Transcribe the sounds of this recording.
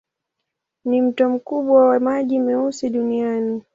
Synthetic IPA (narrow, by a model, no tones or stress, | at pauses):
nim̩tɔm̩kuɓwawamaʄimɛusiɗuniani